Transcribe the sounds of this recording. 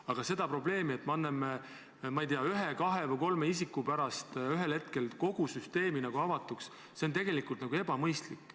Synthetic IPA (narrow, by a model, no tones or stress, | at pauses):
ɑɡ̥ɑse̞d̪̥ɑpro̞ble̞ːmie̞t̪ːmɑnːeme | mɑijt̪iɑyɦekɑɦe̞vɤjko̞lmeis̬ikːˑupæɾɑst̪yɦe̞lhe̞t̪ke̞lko̞ɡ̥usyst̪e̞ːminɑɡ̥uɑvɑt̪ːˑuks | se̞o̞nt̪̬e̞ɡ̥e̞likult̪nɑɡ̥ue̞b̥ɑmɤjst̪likːˑ